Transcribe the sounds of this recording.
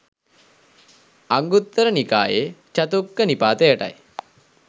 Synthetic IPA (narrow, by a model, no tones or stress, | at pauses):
aŋɡut̪ːəɾənika̰ːjet͡ʃɐt̪ukːənipaːt̪əjəʈa̰j